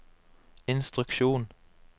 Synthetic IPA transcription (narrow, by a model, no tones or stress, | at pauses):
ɪnst̪ʁʉkʃuːn